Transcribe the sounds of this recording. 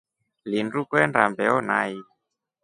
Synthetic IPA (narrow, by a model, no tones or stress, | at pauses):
linɾukwɛnɾa̰mbɛonaj